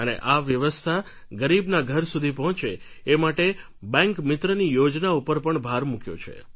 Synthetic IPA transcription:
ənḛʔaʋjəʋəst̪ʰa | ɡəɾibnaɡʱəɾsud̪ʱipɔɦɔ̃t͡ʃeː | maʈe | bɛ̃ŋkmɪt̪ɾənijod͡ʒnaupəɾpəɳbʱaɾmũkjo̰t͡ʃʰḛ

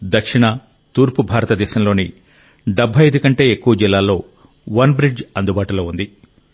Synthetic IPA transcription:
d̪ɐkʂiɳɐ | t̪uːɾpubʱaːɾɐt̪ɐd̪ɛːʃɐmlo̞ːni | ɖɐbʱːɐjɐd̪ukɐɳʈe̞ːekːuʋɐd͡ʒilːaːlːo̞ː | ʋɐnbɾid͡ʒɐnd̪ubaːʈuloːund̪i

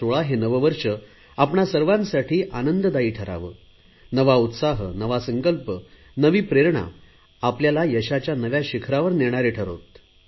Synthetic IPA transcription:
oɭaɦenəʋəʋəɾʂə | apɳasəɾʋãnsaʈʰiːʔanənd̪əd̪aiːʈʰəɾa̰ʋə̰ː | nəʋaut̪saɦənəʋasəŋkəlpə | nəʋiːpɾeɾɳa̰ | apljalajəɕat͡ɕjanəʋjaɕikʰɾaʋəɾneɳ̃aɾeʈʰəɾo̰t̪

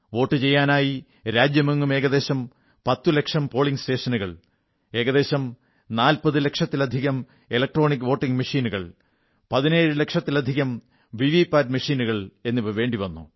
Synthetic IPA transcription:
ʋo̞ːʈːɨt͡ɕe̞jːaːnaːji | ɾaːd͡ʑjɐmeŋːume̞ːɣɐðe̞ːɕɐm | pɐt̪ːule̞kʂɐmpo̞ːɭiŋɡsʈe̞ːʂɐnuɣɐ̰ɭ | e̞ːɣɐðe̞ːɕɐm | naːlpɐðɨle̞kʂɐt̪ːilɐd̪ʱiɣɐm | elɐk̚ʈro̞ːnikːɨʋoːʈːiŋɡmɐʂiːnuɣɐ̰ɭ | pɐðine̞ːɻɨle̞kʂɐt̪ːilɐd̪ʱiɣɐm | ʋiʋiːpːaːɾmɐʂiːnuɣɐɭe̞nːiʋɐʋe̞ːɳɖiʋɐnːṵ

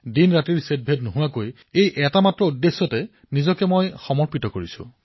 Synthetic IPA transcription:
dinɹatiɹset̚bʱetnoɦuwakoj | ejʔɛtamatɹɔudːesːɔtɛ | nizɔkɛmojxɔmɔɹpitɔkoɹisʊ̰̃

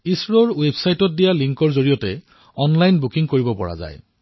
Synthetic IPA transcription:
isɹɔɹwebsajtɔt̚dijaliŋkɔɹzoɹijɔtɛ | ɔnlajnbukiŋkoɹibɔpɔɹa̰za̰j

